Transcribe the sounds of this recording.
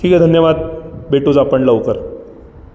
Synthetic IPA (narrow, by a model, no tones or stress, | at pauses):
ʈʰiːked̪ʱənjəʋad̪̚beʈod͡zapəɳləʋkəɾ